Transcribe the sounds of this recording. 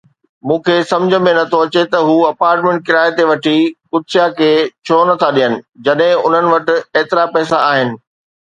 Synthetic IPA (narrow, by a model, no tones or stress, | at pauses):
mũːkʰeːsɐ̃md͡ʑʱə̆mẽnɐt̪ʰoɐt͡ɕet̪ɐɦuːɐpaːɾʈmẽːɳʈ̚kɪɾaːet̪eʋɐʈʰikʊt̪sjakʰeːt͡ɕʰoːnɐt̪ʰaɗijənɪ̆d͡ʑɐɗɦɪ̃ʊn̤ənɪ̆ʋɐʈɪ̆eːt̪ɪɾapɛːsaaːɦɪnɪ̆